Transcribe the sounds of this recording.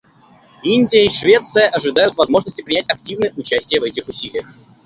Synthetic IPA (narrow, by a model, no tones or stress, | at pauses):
inʲdʲɪjəiʂvʲet̪sɨjəʔɐʐɨd̪ajʊt̪vɐzmo̞ʐnəsʲtʲɪpɾʲɪnʲætʲɐk̚tʲivnɨjəʊt͡ɕæsʲtʲɪjəvɛtʲɪxʊsʲilʲɪjəx